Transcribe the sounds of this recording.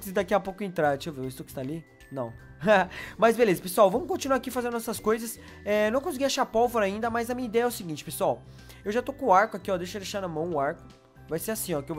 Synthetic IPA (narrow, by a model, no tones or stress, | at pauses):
sɪd̪akiapokʊẽnt̪ɾat͡ʃewviwest̪okɪ̥st̪aːli | nɐ̰̃w̃ | mɐzbelezɐpesuawvɐ̃mʊkõt͡ʃinuaakifazẽd̪ʊɛsɐskojzɐs | ɛnɐ̃w̃kõs̬iɡijaʃapɔwvoɾɐaĩnd̪ɐmazɐmĩɲɐid̪ɛɐɛʊsiɡĩt͡ʃɪ̥pesuaw | ewʒat̪okõaɾkʊakiɔd̪ejʃɐd̪eʃaɾnɐmɐ̃w̃ʊaɾkʊ̥ | vajseasĩɔkɪew